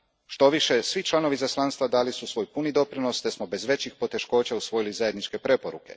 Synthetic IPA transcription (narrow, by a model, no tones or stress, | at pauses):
ʃt̪o̞ʋiʃe̞sʋit͡ʃlˠano̞ʋizaslˠanst̪ʋad̪aːlisusʋo̞jpunid̪o̞pɾino̞st̪esmobe̞zʋe̞t͡ɕixpo̞t̪e̞ʃko̞ːt͡ɕausʋo̞jilizaje̞d̪nit͡ʃke̞pɾe̞poɾuke̞̰